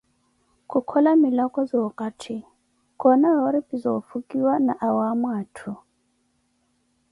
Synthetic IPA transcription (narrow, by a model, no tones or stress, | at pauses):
kukʰɔlamilakʼɔzɔkʼatʰi | kʼɔnaɔɾipʼizɔfukʼiwanaʔawamwaːtʰu